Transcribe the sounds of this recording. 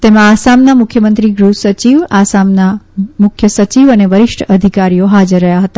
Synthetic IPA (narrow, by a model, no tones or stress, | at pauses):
t̪emãasamnamʊkʰjəmə̃nt̪ɾiɡɾusət͡ʃiʋasamnamʊkʰjəsət͡ʃiʋəneʋəɾɪʃʈʰəd̪ʱikaɾijoɦad͡ʒəɾːəɦjaɦət̪a